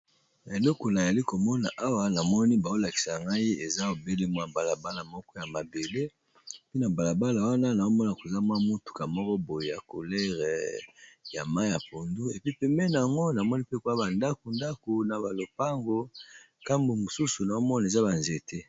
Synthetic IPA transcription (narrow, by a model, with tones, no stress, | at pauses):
na˨e˨lɔ˦kɔ˨na˨za˨li˦ko˨mɔ˦na˨ʔa˦wa˦na˨mɔ˦ni˦ba˨o˦la˨ki̥˨sa˨ŋɡa˦i˦e˨za˦o˨be˦le˦mwa˦ba˨la˨ba˦la˨mɔ˦kɔ˦ja˨ma˨be˨le˦ | e˨pi˦na˨ba˨la˨ba˦la˨wa˦na˦na˨o˦mɔ˦na˨ko˨za˦mwa˦mu˦tu̥˨ka˨mɔ˦kɔ˦bo˨je˨ja̰˨ko˨lɛ˦ʁɛ˨ | ja˨ma˦ja˨po˨ndu˦e˨pi˦pɛ˨mbɛ˦na˨ja˨ŋɡo˦na˨mɔ˦ni˦pe˦˨ko˦a˦ba˨nda˦ko˨nda˦ko˨na˨ba˨lo˨pa˦ŋɡo˦ | ka˦mbo˨mo˨su˦su˨na˨o˦mɔ˦na˨za˦ba˨nze˨te˦